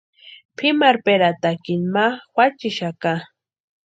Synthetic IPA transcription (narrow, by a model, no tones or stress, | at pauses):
pʰɪmaɾpeɾat̪akɪnmawat͡ʃɪʃaka